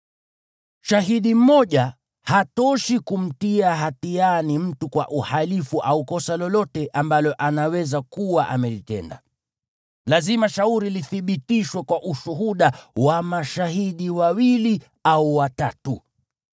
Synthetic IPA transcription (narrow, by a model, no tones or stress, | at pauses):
ʃaɦiɗim̩mɔʄa | hatɔʃikum̩tiaɦatianim̩tukwa̰ʔuhalifuʔaukɔsalɔlɔtɛʔambalɔʔanawɛzakuwaʔa̰mɛlitɛ̰nda̰ | lazimaʃauɾiliθiɓitiʃwɛkwaʔuʃuɦuɗawamaʃaɦiɗiwawili | auwatatu